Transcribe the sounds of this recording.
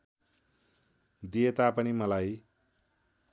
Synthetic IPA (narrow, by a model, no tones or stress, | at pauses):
d̪ijet̪apʌnimʌlaj